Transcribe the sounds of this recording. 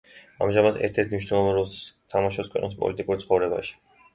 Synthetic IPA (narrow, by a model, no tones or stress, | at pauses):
a̰mʒamad̪ʰɛ̰ɾt̪ʰɛɾt̪ʰniʃ̬wnɛlˠɔvɛnɾɔlˠst̪ʰamaʃɔpskʰwɛ̰qʼnispʼɔ̰lit̪ʼikʼuɾt̪sʰχɔvɾɛba̰ʃi̥